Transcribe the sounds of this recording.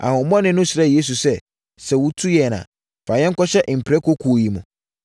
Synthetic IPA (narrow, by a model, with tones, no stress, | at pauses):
a̰˨hʊ̃˨m˦mɔ̃˦nɪ̃˦nʊ̃˦sɪ˨ɾɛ˦˨je˦s̬u˨sɛ˦ | sɛ˨wu˦tʰu˦jɛ˨nã̰˨ | fa˨jɛ̃˦ŋ˦kɔ˦ɕɛ˦ʔm̩˨pʰɾɛ˦kʰo˦kʰu˨o˨ji˨mʊ̰̃˨